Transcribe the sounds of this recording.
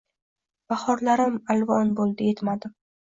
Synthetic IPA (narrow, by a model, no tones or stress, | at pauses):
b̥aχɒɾlaɾɪmalvɒnbolˠd̪ɪjet̪mad̪ɪm